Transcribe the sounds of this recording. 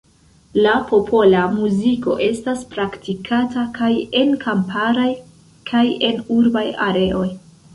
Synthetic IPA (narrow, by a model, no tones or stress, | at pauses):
lapo̞pʰo̞lamuziko̞̰ʔe̞staspɾaktʰikʰatakaje̞nkampʰaɾaj | kʰaje̞nuɾbaja̰ɾe̞ʔo̞j